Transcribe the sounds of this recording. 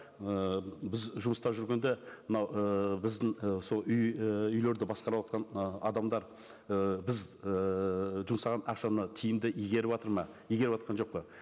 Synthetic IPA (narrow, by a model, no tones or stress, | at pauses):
əbɪzʒʊməst̪ɑʒʏɾɡʲe̞nd̪e̞mənɑwəbɪzd̪ɪŋəso̞lˠʏjʏjle̞ɾd̪ɪbɑsqɑɾɑwɑt̪qɑnɑ̰d̪ɑmd̪ɑɾ | əbɪz | ʒʊmsɑʁɑnɑqʃɑnət̪ʰijɪmd̪ɪʔiɡʲe̞ɾɪpɑt̪əɾmɑ | ijɡʲe̞ɾɪpɑt̪ɾqɑnʒo̞q̚pə